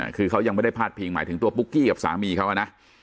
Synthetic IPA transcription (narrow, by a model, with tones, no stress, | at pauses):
a̰˧˩kʰɯː˧kʰa˦˥wja˧ŋm˥˩jda˥˩jpʰaː˥˩t̪̚pʰiː˧ŋma̰ː˨˩˦t̪ʰɯ˩˦t̪u˧ɐpu˦˥kːiː˥˩ka˨˩p̚sa̰ː˩˦miː˧kʰa˦˥wʔa˨˩na˦˥ʔ